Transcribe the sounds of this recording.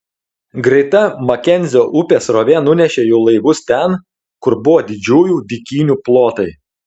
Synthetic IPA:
ɡɾʲɛɪt̪ɐmɐkʲɛnʲzʲɪoːʔʊpʲeːsɾoːʋʲenʊnʲɛʃʲeːjuːlˠɐɪʋʊst̪ʲɛn | kʊɾbʊʋoːd̪ʲɪd͡ʒʲuːjuːd̪ʲɪkʲiːnʲuːplˠoːt̪ɐɪ

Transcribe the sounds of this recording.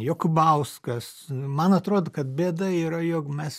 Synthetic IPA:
joːkʊbɐʊskɐs | mɐnɐt̪ɾoːd̪okɐt̪bʲeːd̪ɐiːɾɐjoːkmʲɛs

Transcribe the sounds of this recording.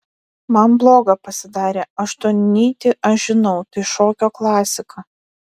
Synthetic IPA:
mɐnblˠoːɡɐpɐsʲɪd̪ɑːɾʲeːɐʃt̪oːnʲnʲiːt̪ʲɪʔɐʃʒʲɪnɐʊt̪ɐɪʃoːkʲoːklˠɑːsʲɪkʰɐ

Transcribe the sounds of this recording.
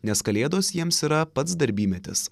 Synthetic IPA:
nʲɛskɐlʲeːd̪oːsjiɛmsiːɾɐpɐt̪sd̪ɐɾʲbʲiːmʲɛt̪ʲɪ̰s

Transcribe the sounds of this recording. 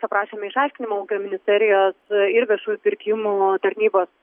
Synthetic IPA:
sɐpɾɑːʃʲeːmʲɛɪʃɑˑɪʃʲkʲɪnʲɪmoːmoːkʲɪt̪omʲɪnʲɪsʲt̪ʲɛɾʲɪjoːsɪɾʋʲiɛʃuːjupʲɪɾʲkʲɪmuːt̪ɐɾʲnʲiːboːs

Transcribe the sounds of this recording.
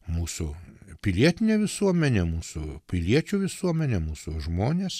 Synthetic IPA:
muːsʊpʲɪlʲiɛt̪ʲɪnʲeːʋʲɪsuɔmʲɛnʲɛmuːsʊ̰pʲɪlʲiɛt͡ʃʲuːʋʲɪsuɔmʲɛnʲɛmuːsʊʒmoːnʲeːs

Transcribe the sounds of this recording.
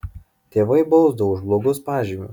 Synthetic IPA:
t̪ʲeːʋɐɪbɔʊzd̪ʊʒblˠɔɡʊspɑːʒʲiːmʲṵːˑ

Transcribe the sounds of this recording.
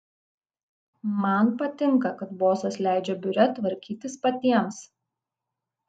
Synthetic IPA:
mɐnpɐt̪ʲɪŋkɐkɐt̪boːsɐslʲæˑɪd͡ʒʲɛbʲʊɾʲɛt̪ʋɐɾʲkʲiːt̪ʲɪspɐt̪ʲiɛms

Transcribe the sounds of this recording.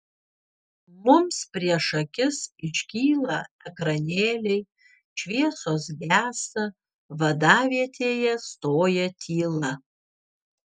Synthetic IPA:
mʊmspʲɾʲiɛʃɐkʲɪsɪʃʲkʲiːlˠɐɛkɾɐnʲeːlʲɛɪ | ʃʲʋʲiɛsoːsɡʲæːsɐ | ʋɐd̪ɑːʋʲiɛt̪ʲʰeːjɛst̪oːjɛt̪ʲʰiːlˠɐ

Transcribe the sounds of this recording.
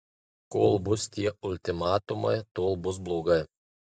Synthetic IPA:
koːlˠbʊst̪ʲiɛʊlʲt̪ʲɪmɑːt̪ʊmɐɪt̪oːlˠbʊs̬blˠoːɡɐɪ

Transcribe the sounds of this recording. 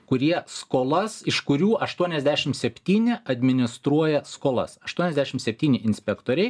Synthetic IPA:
kʊɾʲiɛskoːlˠɐsɪʃkʊɾʲuːʔɐʃt̪uɔnʲɛzʲd̪ʲæːʃʲɪmsʲɛpʲt̪ʲiːnʲɪɐd̪ʲmʲɪnʲɪst̪ɾuɔjɛskoːlˠɐ̰sɐʃt̪uɔnʲɛzʲd̪ʲæːʃʲɪmsʲɛpʲt̪ʲiːnʲɪɪnʲsʲpʲɛkt̪oːɾʲɛɪ

